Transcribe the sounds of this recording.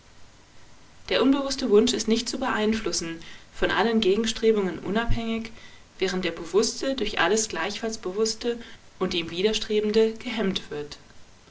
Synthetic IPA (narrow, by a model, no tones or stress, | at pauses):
d̥eːɐʔʊnbəvʊstəvʊnʃɪstnɪçt̚t͡subəʔaɪnflʊsn̩fɔnʔa̰lənɡeːɡŋ̩ʃtʁ̥eːbʊŋənʔʊ̰naphɛŋɪç | vɛːʁnt̚d̥eːɐbəvʊstədʊɐçʔa̰ləsɡ̥laɪçfalsb̥əvʊstə | ʔʊntd̥iːmviːɾɐʃtʁ̥eːbn̩dəɡ̥əɦɛmtv̥ɪɐt